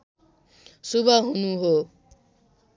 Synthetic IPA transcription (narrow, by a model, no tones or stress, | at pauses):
subʱaɦunuɦo